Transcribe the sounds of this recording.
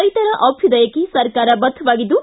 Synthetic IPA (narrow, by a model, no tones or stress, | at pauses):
ɐjt̪ɐɾɐʔɐpʰjud̪ɐjɐkːisɐɾkaːɾɐbɐt̪ʰːʋaːɡid̪ːu